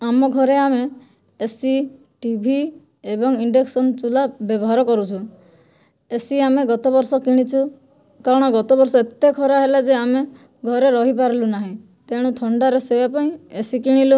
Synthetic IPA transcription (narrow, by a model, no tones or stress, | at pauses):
amɔɡʱɔɾeameː | si | ʈibʱi | ebɔŋiɳɖeksɔnt͡ʃulabjɔbɔɦaɾɔkɔɾut͡ʃʰu | esiameɡɔt̪ɔbɔɾsɔkiɽ̃it͡ʃʰu | kaɾɔɽ̃ɔɡɔt̪ɔbɔɾsɔet̪ekʰɔɾaɦelad͡ʒeame | ɡʱɔɾeɾɔɦipaɾɔlunaɦĩ | t̪eɽ̃ũt̪ʰɔɳɖaɾesebapaĩesikiɽ̃ilu